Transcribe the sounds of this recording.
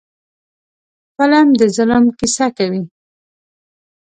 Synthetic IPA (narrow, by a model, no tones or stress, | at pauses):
pəlamd̪əzʊləmqisakawi